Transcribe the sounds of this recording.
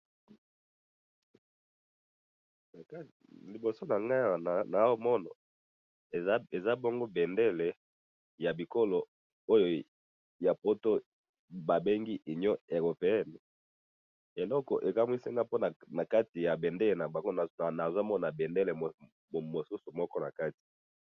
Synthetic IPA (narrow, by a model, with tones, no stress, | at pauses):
li˨bo˨so˦na˨ŋɡa˦˨n˨na˨˦wmɔ˦na˨˦ | e˨za˦bo˦ŋɡo˦be˨nde˦le˨ | ja˨bi˨ko˦lo˨ | o˦jo˨ | ja˨po˦to˦ | ba˨be˦ŋɡi˦ʔi˨ɲɔ˦e˨ɣo˨pe˨ɛ˦ni˨ | e˨lɔ˦kɔ˨ʔe˨ka˦m˦i˦si˦ŋɡa˦po˦na˨na˨ka˦ti˨ja˨be˨nde˦le˨na˨ba˨ŋɡo˦n˨na˨za˦mɔ˦na˨be˨ndɛ˦le˨ | mo˨su˦su˨mɔ˦kɔ˦na˨ka˦ti̥˨